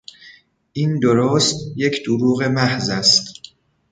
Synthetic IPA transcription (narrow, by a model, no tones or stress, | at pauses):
ʔiːnd̪oɾoːst̪je̞cʰd̪̥uɾuːɣe̞mæhzæst̪